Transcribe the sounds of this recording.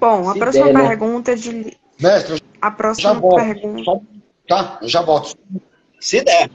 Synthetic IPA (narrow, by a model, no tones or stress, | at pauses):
b̥õw̃ɐpɾɔsimɐpehɡũt̪ɐd͡ʒɪl | mɛst̪ɾe | ɐpɾɔsʒamɐɔpehɡũsɔ | t̪aewʒavɔt̪ʊ̥sɔũ | sɪd̪ɛ